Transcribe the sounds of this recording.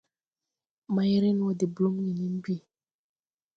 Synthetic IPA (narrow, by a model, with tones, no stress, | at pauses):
ma˦jɾe˦n˦o˦di˨blo˦mni˨ni˦m˦bi˦˨